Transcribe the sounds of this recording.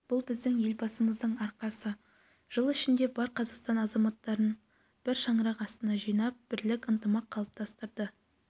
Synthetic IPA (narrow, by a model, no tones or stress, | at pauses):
b̥ʊlˠbɪzd̪ɪŋje̞lbɑsəməzd̪əɴɑɾqɑsə | ʒ̥əlˠɪʃɪnd̪e̞bɑɾqʰɑzɑqst̪ɑnɑzɑmɑt̪ːɑɾən | b̥ɪɾʃɑɴəɾɑqɑst̪ənɑʒijnɑp̚b̥ɪɾlɪkʲənt̪əmɑqʰːɑlˠəp̚t̪ʰɑst̪əɾd̪ə